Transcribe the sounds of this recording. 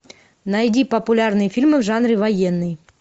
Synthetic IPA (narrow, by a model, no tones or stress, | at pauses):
nɐjdʲipəpʊlʲarnɨjəfʲilʲmɨvʐanɾʲɪvɐjenːɨj